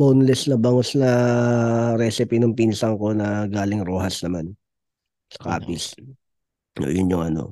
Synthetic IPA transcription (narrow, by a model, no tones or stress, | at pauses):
boːnlɛsnɐbɐŋosnɐ | ɾɛsɪpinʊŋpinsɐŋko̞nɐɡaːlɪŋɾoːɦɐsnɐman | sɐ̥ka̰ːpɪs | o̰jʊnjʊŋʔɐno̰